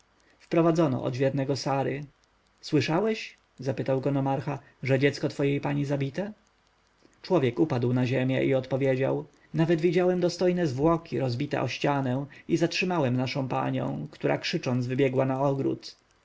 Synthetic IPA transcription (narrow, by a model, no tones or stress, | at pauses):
fpɾɔvad̪zɔnɔ̰ʔɔ̰d̪vʲjɛɾnɛɡɔsaɾɘ̰ | swɘʂawɛɕ | zapɘt̪awɡɔnɔmaɾxa | ʐɛd͡ʑɛt̪skɔt̪fɔjejpaɲizabʲit̪ɛ | t͡ʂwɔvʲjɛkupad̪wnaʑemʲjɛ̰ʔiɔt̪pɔvʲjed͡ʑa̰w | navɛd̪vʲid͡ʑawɛmd̪ɔst̪ɔjnɛzvwɔkʲiɾɔzbʲit̪ɛ̰ʔɔɕt͡ɕanɛ̃izatʂɘmawɛmnaʂɔ̃w̃pa̰ɲɛ̰̃w̃kt̪uɾʔa̰kʂɘt͡ʂɔnd̪zvɘbʲjɛɡwanaɔɡɾṵt̪